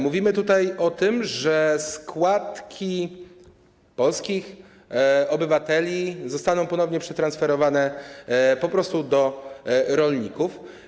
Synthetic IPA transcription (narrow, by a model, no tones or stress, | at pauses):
muvʲimɘt̪ut̪ajɔt̪ɘmʐɛskwat̪kʲi | pɔlskʲix | ɔbɘvat̪ɛlʲizɔst̪anɔ̃w̃pɔnɔvɲɛpʂɛt̪ɾansfɛɾɔvanɛ | pɔpɾɔst̪ud̪ɔ | ɾɔlɲikuf